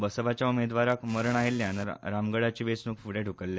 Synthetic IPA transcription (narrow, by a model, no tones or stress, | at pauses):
bəsəʋat͡ɕjaumed̪ʋaɾakməɾəɳaɦeljanə̰ɾamɡəɽat͡ɕiːʋesnukfuɽaʈukəlːe